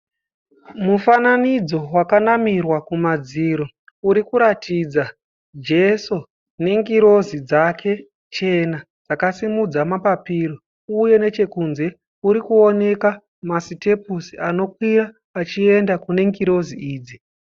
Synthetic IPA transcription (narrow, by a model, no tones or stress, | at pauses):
mufananid͡zo̞wakanamirwakumad͡ziɾo̞ | uɾikuɾatʰid͡za | d͡ʒe̞so | ne̞ŋɡiɾo̞zid͡zakʰe̞ | t͡ʃe̞na | d͡zakasimud͡zamapapiɾo | uje̞ne̞t͡ʃe̞kunze̞ | uɾikuo̞ne̞ka | masite̞p̚usiano̞kwiɾaː | t͡ʃie̞ndakune̞ŋɡiɾo̞ziiːd͡zi